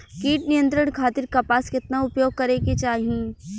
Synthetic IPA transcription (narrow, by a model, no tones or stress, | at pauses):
kiːʈnijə̃nt̪ɾəɳ̃kʰaːt̪ɪɾkapaːskɪt̪naʊpjoːɡ̚kɐɾeket͡ʃaːɦiẽ